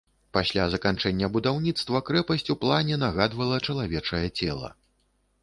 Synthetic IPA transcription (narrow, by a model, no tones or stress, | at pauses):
pasʲlʲazɐkant͡ʂɛnʲːɐbud̪awnʲit̪st̪vɐkɾɛpɐsʲt͡sʲuplˠanʲɛnaɣad̪vɐlˠɐt͡ʂɐlˠavʲɛt͡ʂɐjɛt͡sʲɛlˠɐ̰